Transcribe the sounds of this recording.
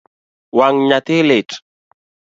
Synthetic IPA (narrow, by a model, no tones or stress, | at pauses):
waŋɲat̪elet